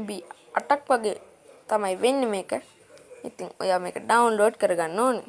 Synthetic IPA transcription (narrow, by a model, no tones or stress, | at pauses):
bi | ɐ̰ʈɐkːɐɡe | t̪ɐmɐjʋenːmeːkɐ | it̪iŋo̰jameːkɐɖɐwunloːɖkɐɾɡanːoːni